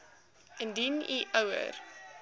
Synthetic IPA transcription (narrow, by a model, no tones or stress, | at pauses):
əndiniʔəwə̰r